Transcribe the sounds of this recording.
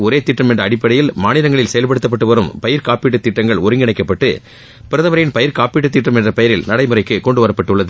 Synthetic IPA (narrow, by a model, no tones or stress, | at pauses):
ɔɾeːt̪ɪʈrɐmɛndrɐːɽɪpːɐɽɐjɪlmaːnɪɾɐŋɡɐɭɪlsɛjɐlp̬ɐɽɯt̪ːɐpːɐʈːɯʋɐɾɯmpɐjɪɾkaːpiːʈːɯt̪ːɪʈːɐŋɡɐɭɔɾɯŋɡɪɳɐɪkːɐpːɐʈːɯ | pɪɾɐðɐmɐɾɐjɪnpɐjɪɾkaːpiːʈːɯt̪ːɪʈːɐmɛndrɐpɐjɪɾɪlnɐɽɐɪmɯɾɐɪkːɯkɔɳɖɯʋɐɾɐpːɐʈːɯɭːɐðɯ